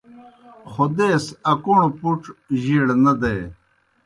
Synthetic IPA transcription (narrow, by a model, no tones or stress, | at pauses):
xod̪eːsɐkuɳopuʈʑiɽnɐd̪eː